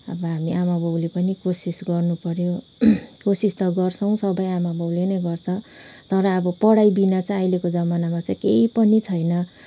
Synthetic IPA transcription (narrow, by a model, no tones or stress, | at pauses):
ʌ̰bʌɦamiʔamabʱowlepʌnikosisɡʌrnupʌɾjo | kosist̪ʌɡʌrt͡sʰʌw̃sʌbʌjamabowlenʌjɡʌrt͡sʰʌt̪ʌɾʌːbʌpʌɽajbinat͡sʌajlekod͡zʌmanamat͡sʌjkeipʌnit͡sʰʌjnʌ